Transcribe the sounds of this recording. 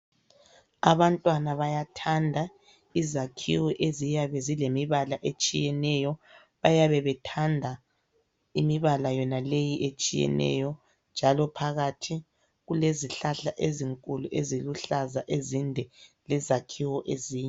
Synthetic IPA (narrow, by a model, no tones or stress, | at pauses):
a̰βantʼwanaβajatʰandʱa | izakʰḭwɔʔezijaβɛzilemiβalaʔet͡ʃʼijɛnɛjɔ | βajaβɛβɛtʰandʱa | imiβalajɔnalejiʔet͡ʃʼijɛ̰nɛ̰jɔ | nd͡ʒʱalɔpʰaɣatʰi | ɣuleziɬaɬaʔeziŋkʼuluʔeziluɬazaʔezindʱɛlɛzakʰiwɔʔeziːɲɛ